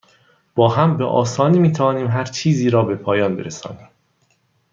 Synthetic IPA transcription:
b̥ɒːɦæmbḛʔɒ̰ːsɒːniːmiːt̪ʰævɒːniːmɦæɾt͡ʃʰiːziːɾɒːbe̞pʰɒːjɒːnbḛɾesɒ̰ːniːm

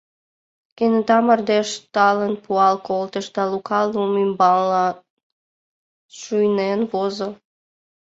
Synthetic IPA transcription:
kenet̪ɑmərd̪eʃt̪ɑlənpuɑlkolt̪əʃd̪ɑlukɑlumymbɑlːɑ | ʃujnenβozə

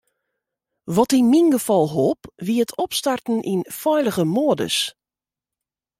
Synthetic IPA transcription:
ʋɔtinminɡəfɔlˠɦopʋiətʰɔpstartn̩ʔinfɔjlˠəɣəmoːədə̰s

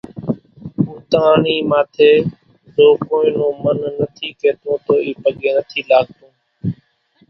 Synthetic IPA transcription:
ũːt̪əaːɳiːmaːt̪ʰeː | zoːkoːĩːnõːmənːət̪ʰiːkeːt̪õːt̪oːiːpəɠeːnət̪ʰiːlaːɠ̚t̪õː

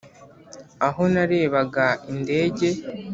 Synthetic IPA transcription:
aɦo̞naɾe̞ːβaɡainde̞ːɟe̞

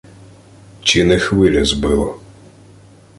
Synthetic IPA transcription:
t͡ʃinexʋɪlʲɐzbɪlˠɔ

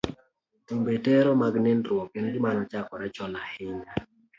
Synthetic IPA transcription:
timbetɛɾɔmaɡnenɾʊɔkenɡɪmanɔt͡ʃakɔɾɛt͡ʃɔlahɪɲa

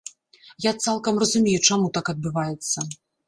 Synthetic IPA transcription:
jat̪salˠkɐmrɐzumʲejut͡ʂamut̪akɐd̪̚bɨvajɛt̪sːɐ

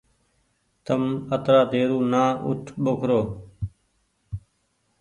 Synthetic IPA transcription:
t̪əmət̪ɾaːt̪eːɾuːnaːʔʊ̰ʈʰɓokʰɾoː

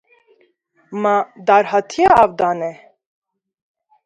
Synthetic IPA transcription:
mad̪aɾhat̪ʰiaːvd̪anɛ

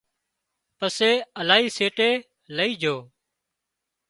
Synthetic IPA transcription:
pəseːəlaːiːseːʈeː | ləiːd͡ʒʱoː

